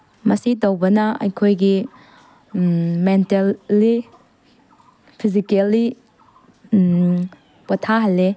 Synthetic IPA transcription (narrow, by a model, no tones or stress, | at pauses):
mɐsidɐwbɐnɐɐ̰jkʰojɡi | mentelːi | pʰizikelːi | pɐtʰaɦɐle